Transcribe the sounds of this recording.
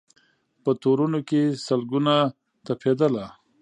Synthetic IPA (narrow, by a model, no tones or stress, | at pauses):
pət̪oɾunokesəlɡuna | t̪apʰed̪əla